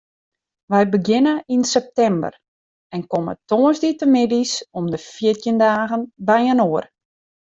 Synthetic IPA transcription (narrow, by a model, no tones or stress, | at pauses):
ʋɛjbəɡɪnəinsɛp̚tɛmbə̰r | ɛnkɔmə̰toːəzditəmɪdisɔmdəfiətjəndaːɣənbɛjənoər